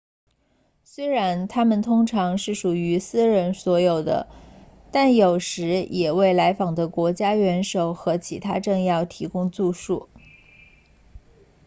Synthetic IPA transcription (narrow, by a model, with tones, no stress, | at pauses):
swe˥ɪɻa˧˥nt̪ʰa˥mə˨nt̪ʰʊ˥ŋʈ͡ʂʰɑ˧˥ŋʂɻ̩˥˩ʂu˨˩y˧˥sɹ̩˥ɻə˧˥nswɔ˧˥jo˨˩ʊd̪ə̰˦ | t̪a˥˩njo˨˩ʊʂɻ̩˧˥jʔɛ˨˩we˥˩ɪla˧˥ɪfɑ˨˩ŋd̪ə˦kwɔ˧˥t͡ɕja˥ɥɛ˧˥nʂo˨˩ʊxɤ˧˥t͡ɕʰi˧˥t̪ʰa˥ʈ͡ʂɤ˥˧ŋjɑ˥˩ʊt̪ʰi˧˥kʊ˥ŋt͡su˥˧ʂu˥˩